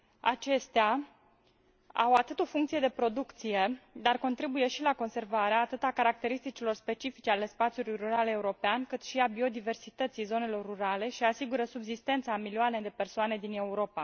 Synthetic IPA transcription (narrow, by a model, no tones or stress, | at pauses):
a̰t͡ʃe̞st̪ea | a̰wat̪ɨt̪o̞fuŋkt̪sied̪e̞pɾo̞d̪ukt̪sije̞d̪arko̞nt̪ɾibuje̞ʃilako̞nse̞rvaɾeaːt̪ɨt̪akaɾak̚t̪e̞ɾist̪it͡ʃilo̞rspe̞t͡ʃifit͡ʃeale̞spat̪sijulujruɾaleuɾo̞peankɨt̪ʃiabio̞d̪ive̞rsit̪ət̪sijzo̞ne̞lo̞rːuɾale̞ʃiasiɡuɾəsubzist̪e̞nt̪samilioane̞d̪e̞pe̞rsoane̞d̪ine̞uɾo̞pa